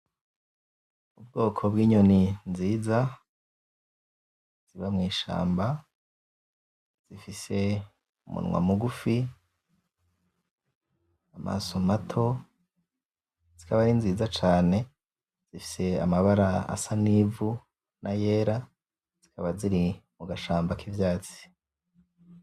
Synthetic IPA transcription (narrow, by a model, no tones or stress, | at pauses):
ubɡo̞ːkʰo̞bɡiːɲo̞ninziːza | z̥iβamŋiːʃa̰ːmba | z̥ifise̞ | umṵnŋwa̰muɡufi | ama̰somatʰo̞ | z̥ikaβaɾinziːzat͡ʃaːne̞ | z̥ifi̥se̞a̰maβaɾaa̰sanivu | nʔaje̞ːɾa | z̥ikaβaziɾimuɡaʃaːmbakivjaːt͡si̥